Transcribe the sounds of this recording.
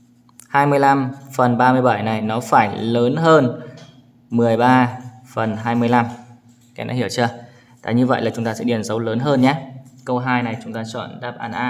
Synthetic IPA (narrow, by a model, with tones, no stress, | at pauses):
haː˧jmɨ˧əjla˧mfə˨˩nɓaː˧mɨ˧əjɓa˧˩jna˨˩jnɔ˨˦faː˧˩jləː˨˦nɦəː˧n | mɨ˨˩əjɓaː˧fə˨˩nɦaː˧jmɨ˧əjla˧m | kaː˨˦nɔ̰˨˦hi˧˩əwt͡ɕə˧ | t̪a̰ː˧˨ɲɨ˧və̰˧˨jlaː˨˩t͡ɕʊ˨˦ŋ͡mt̪aː˧sɛ̰˧˥ɗi˧˩ənzə˨˦wləː˨˦nɦəː˧nɲaː˨˦kə˧wɦaː˧jna˨˩jt͡ɕʊ˨˦ŋ͡mt̪aː˧t͡ɕə̰ː˧˩nɗaː˨˧˩p̚ʔa̰ː˧˩nʔaː˧